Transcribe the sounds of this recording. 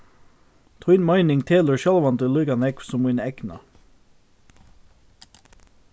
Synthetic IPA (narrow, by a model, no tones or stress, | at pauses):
t̪ʰɔɪnmɑɪnɪŋt̪ʰeːləɹʃɛlʋɑnd̪ɪlɪɡɑnɛksɔmɪɪnɛknɑ̰